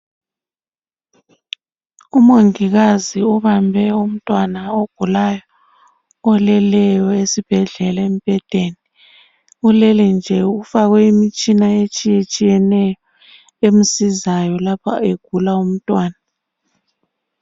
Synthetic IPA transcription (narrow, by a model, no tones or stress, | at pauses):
umoŋiɣaziuβambʱɛum̩tʼwanaoɡ̥ʱulajɔ | ɔlɛlɛjɔesib̥ʱɛɮɛlaem̩pʼɛd̥ʱeni | ulɛlɛnd͡ʒʱɛufaɣwɛimit͡ʃʼinaet͡ʃʼijet͡ʃʼijɛnɛjɔ | em̩sizajɔlapʰa̰eɡ̥ʱulaum̩tʼwaːna